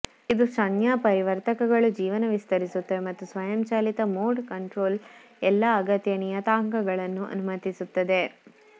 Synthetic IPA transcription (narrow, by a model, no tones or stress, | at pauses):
id̪uʃɐɳjaːpɐɾiʋɐɾt̪ɐkɐɡɐɭud͡ʒiːʋɐnɐʋist̪ɐɾisut̪ːemɐt̪ːusʋɐjɐmt͡ʃaːlit̪ɐmoːɖkɐɳʈɾoːl | ɛlːɐːɡɐt̪jɐnijɐt̪aːŋkɐɡɐɭɐnːuʔɐ̰numɐt̪isut̪ːɐd̪e̞